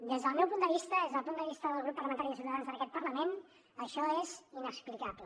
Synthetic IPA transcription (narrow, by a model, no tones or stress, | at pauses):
d̪ezðəlˠmɛwpund̪əβist̪əezðəlˠpund̪əβist̪əðəlˠɣɾupːərləmənt̪aɾiðəsiuwt̪əðanzðənəkɛt̪̚pərləmen | əʃɔezinəksplikaplə